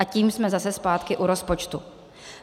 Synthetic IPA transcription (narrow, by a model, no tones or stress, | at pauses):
aciːmsmɛzasɛspaːt̪kɪʔuɾo̞spot͡ʃt̪u